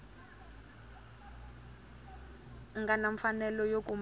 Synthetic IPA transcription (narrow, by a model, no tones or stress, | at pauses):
ŋɡanaɱfanɛlɔjok̬ʼum